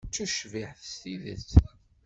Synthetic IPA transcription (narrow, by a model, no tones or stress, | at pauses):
t͡sːuʃviħθə̥st̪iðə̰t͡sː